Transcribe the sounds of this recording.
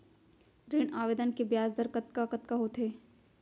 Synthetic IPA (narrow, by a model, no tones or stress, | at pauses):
ɾɪɳaːʋeːd̪ənkebjaːzd̪əɾkɐt̪̚kakɐt̪kaɦot̪ʰeː